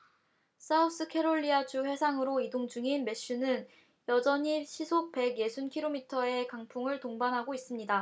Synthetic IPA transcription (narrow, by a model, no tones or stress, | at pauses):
s͈ʰaus͈ɯkʰe̞ɾoʎːiad͡ʑuɸwe̞sʰaŋɯɾoidoŋd͡ʑuŋinme̞ɕ͈unɯn | jʌd͡ʑʌɲiɕʰisʰok̚pe̞ɡje̞sʰunkʰiɾomitʰʌe̞kaŋpʰuŋɯɭtoŋbanɦaɡois͈ɯmɲida